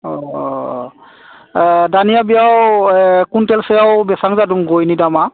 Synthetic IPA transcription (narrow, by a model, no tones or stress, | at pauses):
ɔ | danijabijawkuntɛlsɛjawbɛsaŋzaduŋɡojnidama